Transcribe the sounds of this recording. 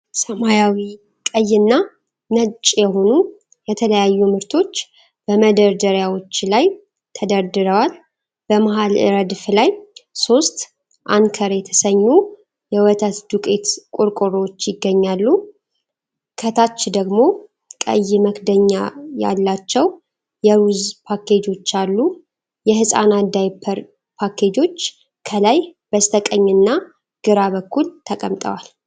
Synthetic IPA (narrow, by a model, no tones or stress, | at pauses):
səmajawi | kʼəjːɨnːa | nət͡ʃʼːjɛɦo̞nu | jɛt̪ʰələjajːumɨɾt̪ʰo̞t͡ʃː | b̥əməd̪əɾd̪əɾjawo̞t͡ʃːlaj | t̪ʰəd̪əɾd̪ɨɾəwal | b̥əmaɦalɨ̰ɾəd̪flajso̞st̪ | ʔankʰəɾjɛt̪ʰə̥səɲːu | jɛwət̪ʰət̪d̪ukʼe̞t̪kʼuɾkʼʊɾot͡ʃːjɪɡːəɲːalːu | kʰət̪ʰat͡ʃːd̪əɡmo̞ | kʼə̰jːɪməkd̪əɲːaja̰lːat͡ʃːɛw | jɛɾuzpʰakʰe̞d͡ʒo̞t͡ʃːalːu | jɛhɨsʼa̰nad̪ajpʰːəɾ | pʰakʰe̞d͡ʒo̞t͡ʃː | kʰəlajbəst̪ʰəkʼəɲːɨnːa | ɡ̥ɨɾabəkːult̪ʰəkʼəmt̪ʼə̰wal